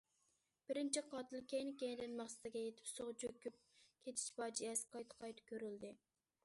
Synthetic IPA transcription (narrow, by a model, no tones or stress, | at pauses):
b̥ɪɾɪnt͡ʃʰiqʰɑːt̪ɨlˠkʲʰejnkʲeŋɪd̪ɪnmɑχsɨ̥t̪ɪɡʲɛjet̪ʰɪ̥psoʁd͡ʒøkʲːyp̚kʲʰet̪ʰɪ̥ʃbɑːd͡ʒiɛsqʰɑjt̪ʰqʰɑjt̪ʰkʲʰøɾyld̪ɪ